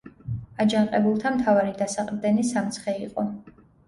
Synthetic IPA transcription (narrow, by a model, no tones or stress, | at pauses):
ad͡ʒanqʼɛbulˠt̪ʰamt̪ʰavaɾid̪asaqʼɾd̪ɛnisamt̪sʰχɛiqʼɔ